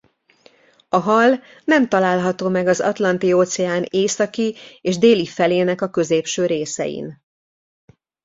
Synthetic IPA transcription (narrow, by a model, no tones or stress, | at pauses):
ɒɦɒl | nɛmt̪ɒlaːlɦɒt̪oːmɛɡɒzɒ̰t̪lɒnt̪ioːt̪sɛaːneːsɒkieːʒd̪eːlifɛleːnɛkɒkø̞zeːpʃøːɾeːsɛ̰jḭn